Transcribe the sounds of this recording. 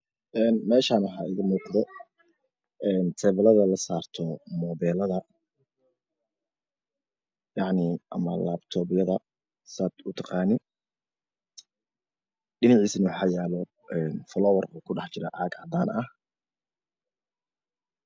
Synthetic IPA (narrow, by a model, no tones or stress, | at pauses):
ʔɛːnmɛːʃaːnwɑħɑ̰ːʔɪɣɐmuːqd̪ɛ | ʔɛːnt̪ʰɛːβlɐðɐlɐsaːrt̪ʰɔmɔːβɛːlɐðɐ | jɑʕniʔɐ̰mɐ̰laːbt̪ʰɔːbɪjɐðɐ | sat̪ʊt̪ʰɑqɑːnɪ | ɗɪnɑʕiːsnɐwɑħɑːjɛːlɔ | ʔɛːnfɔlɔːwɐrɔːkʰʊɖɑħt͡ʃɪɾɐʔaːɡʕɑd̪aːnɐh